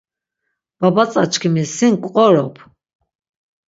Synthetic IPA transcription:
b̥abat͡sʼat͡ʃʰkʰimisiŋkʷʼqʼɔɾɔpʰ

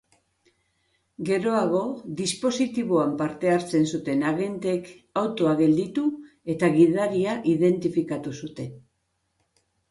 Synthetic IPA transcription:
ɡe̞ɾo̞aɣ̞o̞ðispo̞sit̪iβ̞oampaɾt̪e̞aɾt͡se̞nsut̪e̞naɣe̞nt̪e̞k | awt̪o̞aɣe̞ld̪it̪u | e̞t̪aɣiðaɾiaʔiðe̞nt̪ifikat̪usut̪e̞n

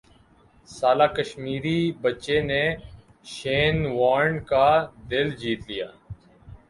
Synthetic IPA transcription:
saːlaːkəʃmiːɾiːbətːt͡ʃeːneː | ʃeːnʋaːɾɳɖkaːd̪ɪld͡ʒiːt̪lɪja̰ː

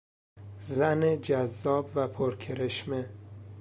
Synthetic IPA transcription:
zæned͡ʒæzːɒːbvæpʰoɾkʰeɾeʃme

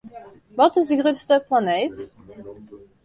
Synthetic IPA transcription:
ʋɑtɪzdəɡʁødstəplaneːt

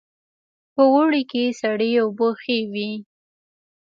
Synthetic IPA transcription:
pəwʊɽikesaɽiʊboxewi

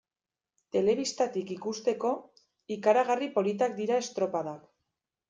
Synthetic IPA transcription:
t̪e̞le̞β̞ist̪at̪ikikust̪e̞ko̞ | ikaɾaɣ̞aripo̞lit̪̬ak̚d̪iɾae̞st̪ɾo̞paðak

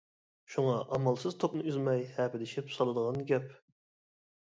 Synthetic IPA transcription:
ʃuŋɑʔɑmɑlˠsɨzt̪ʰopnɨyzmɛjhɛːpɪd̪ɪʃipsɑlˠɨd̪əʁɑnɡʲɛp

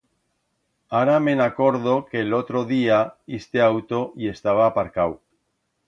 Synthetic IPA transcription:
aɾamenakoɾðokeːlot̪ɾoðiaist̪eawt̪oie̞st̪aβ̞aːpaɾkaw

